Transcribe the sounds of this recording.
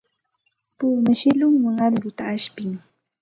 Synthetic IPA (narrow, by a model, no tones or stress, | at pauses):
puːmaʃɪlʊŋwaŋɑʎɡʊt̪aːʃpɪŋ